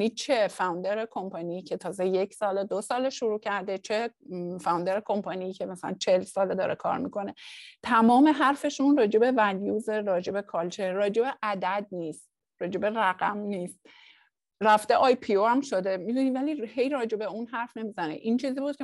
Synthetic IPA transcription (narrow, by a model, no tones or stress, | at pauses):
nit͡ʃʰe̞fæund̪eɾekʰo̞mpʰɑniːcʰe̞t̪ʰɒːzejecʰsɒːled̪osɒːleʃuɾuːcʰæɾd̪e̞t͡ʃʰefæũnd̪eɾekʰo̞mpʰɑnijicʰe̞mæsælæ̰nt͡ʃʰelsɒːled̪ɒ̰ːɾḛkʰɒ̰ːɾmḭkʰo̞ne̞t̪ʰæmɒːme̞ɦæɾfe̞ʃunrɒːd͡ʒe̞be̞væljuːzeɾɒːd͡ʒe̞be̞kʰɒːlt͡ʃʰeɾɒːd͡ʒe̞be̞ʔæd̪æd̪̚niːst̪̚ | ɾɒːd͡ʒe̞be̞ɾæɣæmniːst̪ | ræft̪e̞ʔɒːjpʰioæmʃo̞d̪e̞mid̪univælihe̞jɾɒːd͡ʒe̞be̞unɦæɾfne̞miːzænḛʔiːnt͡ʃʰiːzibuːd̪̥̚kʰʲe